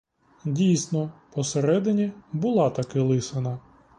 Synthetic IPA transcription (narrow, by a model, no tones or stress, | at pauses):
dʲijsnɔpɔseɾɛd̪ɪnʲibʊlˠɑt̪ɐkɪlˠɪsɪnɐ